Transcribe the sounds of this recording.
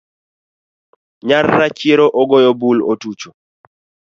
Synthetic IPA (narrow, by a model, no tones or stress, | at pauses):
ɲarːat͡ʃeɾoʔɔɡɔjobulotut͡ʃo